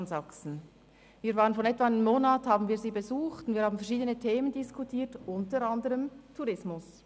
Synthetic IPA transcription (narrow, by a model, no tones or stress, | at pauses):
nzɑksn̩ | viːɐvaːʁənfɔnɛtvɑɪnəmːoːnaːthaːbn̩viːziːbezuːχtʊntviːhaːbmn̩fɛɐɾʃiːdənətʰeːməndɪskʰutʰiːtʊntəɾɑndəʁəmtʰuʁɪsmʊs